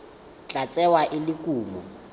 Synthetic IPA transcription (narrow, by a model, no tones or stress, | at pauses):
t͡ɬʼat͡sʼɛwaʔɪlɪkʼuːmɔ